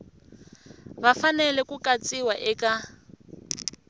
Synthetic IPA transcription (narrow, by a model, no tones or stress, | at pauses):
βafanɛlɛkukʼat͡sʼiwaʔɛkʼa